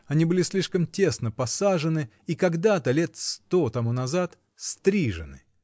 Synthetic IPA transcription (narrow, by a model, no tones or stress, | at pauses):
ɐnʲibɨlʲɪsʲlʲiʂkəmtʲe̞snəpɐsaʐɨnɨ | ikɐɡd̪at̪əlʲe̞t̪st̪ot̪ɐmunɐzat̪ | st̪ɾʲiʐɨ̰nɨ̰